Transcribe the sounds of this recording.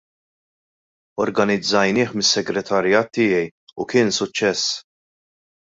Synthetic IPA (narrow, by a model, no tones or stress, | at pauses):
ɔɾɡɐnɪd͡zːɐjnɪːħmɪsːɛɡɾɛt̪ʰɐɾjɐːt̪ːɪːjɛjukɪːnsʊt͡ʃːɛsː